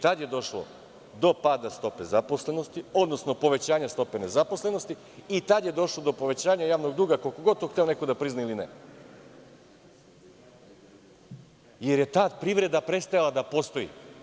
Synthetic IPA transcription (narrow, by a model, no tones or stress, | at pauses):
t̪ad̪jed̪o̞ʃlˠo̰ | d̪o̞pad̪ast̪o̞pe̞zapo̞sle̞nost̪io̞d̪nosno̞po̞ʋe̞t͡ɕaːɲast̪o̞pe̞ne̞zapo̞sle̞no̞st̪i | it̪ad̪je̞d̪o̞ʃlˠo̞d̪o̞po̞ʋe̞t͡ɕaːɲajaːʋno̞ɡd̪uːɡakolkoɡot̪oxt̪eonekod̪apɾiznailinḛ | je̞ɾje̞t̪aːd̪pɾiʋɾe̞d̪apɾet̪st̪ajalad̪apo̞st̪o̞jḭ